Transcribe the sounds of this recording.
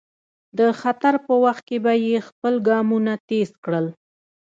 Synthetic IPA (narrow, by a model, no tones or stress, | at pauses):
d̪əxat̪aɾpəwaxt̪̚kebajexpəlɡɑmunat̪eskɽəl